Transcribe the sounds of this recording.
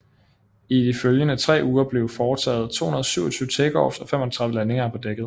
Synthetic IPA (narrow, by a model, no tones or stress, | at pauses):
id̥iføljənət͡sʰʁɛ̰ːuːɐb̥le̝ʊfɒːt͡sʰɛ̰ːð̩ˠt͡sʰo̝̰ːunɐð̞̩ˠɒsyʊ̰ɐt͡sʰyːʊə̥t͡sʰeɡ̥ɒ̰̥ːsɒ̽fem̰ɒt͡sʰʁɑ̈ðˠʋəlæne̝ŋɐæɐpʰɒ̽d̥eɡ̥ð̞̩ˠ